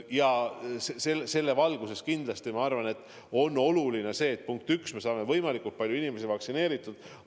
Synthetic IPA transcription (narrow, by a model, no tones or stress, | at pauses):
jɑseselse̞lːe̞vɑlɡ̥use̞skind̪lɑst̪imɑɑrvɑne̞t̪ːˑ | o̞nːo̞luline̞se̞ːt̪̚puŋk̚t̪yksme̞sɑːme̞vɤjmɑlikˑult̪̚pɑlʲjuinime̞s̬ivɑksine̞ːɾit̪ːˑud̪̥